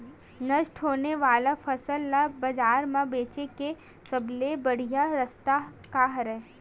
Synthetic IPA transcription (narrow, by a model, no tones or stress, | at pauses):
nəʃʈɦoːneʋaːlafʰɐsəlːabɐd͡ʒaːɾmãbeːt͡ʃeke | sɐblebɐɽ̤ijaɾɐst̪a | kaːɦɾɛː